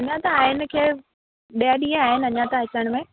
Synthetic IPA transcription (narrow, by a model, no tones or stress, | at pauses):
ɐɲãt̪aːɦɪnɪ̆kʰeː | ɗijaɗĩːẽaːɦɪnɐɲãt̪aɦɪt͡ɕəɽ̃̆mẽ